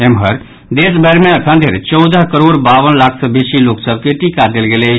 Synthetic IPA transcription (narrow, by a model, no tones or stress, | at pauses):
emɦəɾ | d̪esbɛɾmeəkʰənd̪ʱeɾt͡ʃəʊd̪əɦkəɾoɽbaʋənlakʰsəbesiloksəb̚ʱkeʈikad̪elɡele